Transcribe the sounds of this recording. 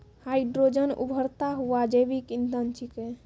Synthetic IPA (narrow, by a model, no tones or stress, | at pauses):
haiɖɾod͡ʒənṵbʱəɾt̪aɦuad͡ʒebikind̪ənt͡ʃʰike